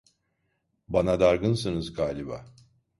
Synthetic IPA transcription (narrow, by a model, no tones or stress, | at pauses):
banad̪aɾɡɯnsɯnɯzɡaːlʲiba̰